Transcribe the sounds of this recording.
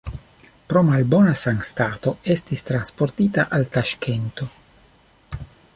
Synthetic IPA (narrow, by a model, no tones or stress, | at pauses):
pɾomalbonasaŋst̪at̪o̞est̪ist̪ɾanspoɾt̪it̪aʔalt̪aʃkent̪o